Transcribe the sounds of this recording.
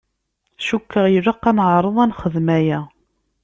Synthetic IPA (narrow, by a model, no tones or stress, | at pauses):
ʃukːəʁjəɾəqːænəʕɾˤəðˤænχəðmæjæ